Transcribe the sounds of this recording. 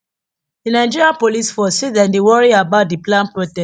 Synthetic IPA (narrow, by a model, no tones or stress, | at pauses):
dinaɪd͡ʒiɹiãnpolisfɔsedãndewɔɹiabaʊt̚diplãnpɹotɛ